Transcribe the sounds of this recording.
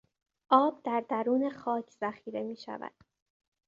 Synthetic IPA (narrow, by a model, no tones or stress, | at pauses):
ʔɒːb̚d̪æɾd̪æɾuːne̞xɒːcʰz̥æxiːɾe̞miːʃæ̰væ̰d̪̥